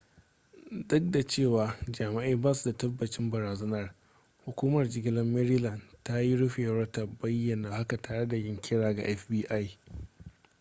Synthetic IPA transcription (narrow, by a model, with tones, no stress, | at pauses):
dʊ˦k̚da˨t͡ʃeː˦˨waː˨d͡ʒaː˨ma˦ʔiː˦baː˦su˨da˨tɐ˦bːɐ˨t͡ʃɪ˦mbɐ˨ɾaː˨zɐ˦nɐ˦r | hu˨kʷuː˦mɐ˨rd͡ʒɪ˨ɡʲɪ˦lɐ˦mːɛ˦ɾi˦lɐ˨nta˦ji˦ɽʊ˦ɸe˨˦ɐ˦ta˨bɐ˦jːɐ˨naː˨ha˦ka˨taː˨ɽe˦da˨jɪ˦ŋkʲʰɪ˦ɽaː˨ɡa̰˨ʔɛ˦fbiː˦ʔa˦j